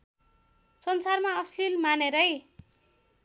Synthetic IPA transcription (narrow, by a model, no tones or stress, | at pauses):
sʌnsarmaʌslilmaneɾʌj